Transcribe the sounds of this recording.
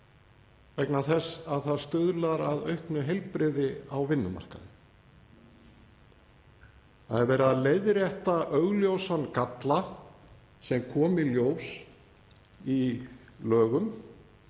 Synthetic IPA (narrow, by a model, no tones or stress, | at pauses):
vɛknaθɛsaðθaðst̪ʏðlaɾaðœɥhknʏɦejlpɾɪðɪawvɪnːʏma̰r̥ka̰ðɪ | θa̰ðɛɾvɛːɾalejðɾjɛht̪aʔœɣljowsankat̪la | sɛmkʰɔːmɪljows | ilœːɣʏm